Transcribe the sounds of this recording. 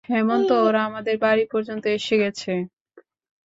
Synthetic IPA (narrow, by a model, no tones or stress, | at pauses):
ɦɛmont̪ooɾaamad̪eɾbaɾipɔɾd͡ʑont̪oeʃeɡɛt͡ɕʰe